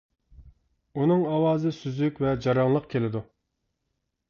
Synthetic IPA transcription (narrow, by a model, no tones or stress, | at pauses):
unɨŋɑwɑːzɨsyzykʲvɛd͡ʒɑɾɑŋlˠəqkʲʰelɪd̪u